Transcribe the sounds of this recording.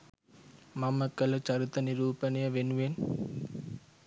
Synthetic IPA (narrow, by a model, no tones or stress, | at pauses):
mɐmːɐkːɐlɐt͡ʃɐɾɯt̪ːɐnɪɾuːpɐnɐjɐʋenʋeːn